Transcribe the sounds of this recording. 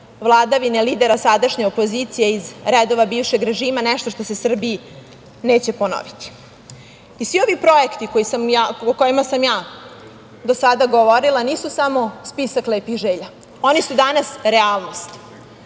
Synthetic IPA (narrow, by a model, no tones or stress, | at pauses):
ʋlˠaːd̪aʋine̞lid̪e̞ɾasad̪aʃɲeopo̞zit̪sije̞izɾed̪o̞ʋabiːʋʃe̞ɡɾe̞ʒiːmanɛʃt̪o̞ʃt̪o̞sesr̩biː | neːt͡ɕe̞pono̰ʋit̪i̥ | isʋio̞ʋipɾo̞ekt̪ikojisamaoko̞jimasamjaː | d̪osad̪aɡoʋo̞ɾilˠaniːsusamo̞spisaklepiʒeʎa | o̞nisud̪anasɾealˠno̞st̪